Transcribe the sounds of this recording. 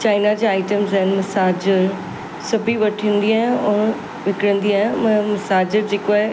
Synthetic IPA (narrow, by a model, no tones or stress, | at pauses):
t͡ɕaːɪnad͡ʑeaːɪʈəmzaɦɪnɪ̆mɐsaːd͡ʑəɾ | sɐbʱiʋɐʈʰĩːn̆d̪iaːɦɪ̃ɔːn | ʋɪkɪɽə̃nd̪iaːɦɪ̃mɐ̃mɐsaːd͡ʑəɾd͡ʑeːkoaːɦe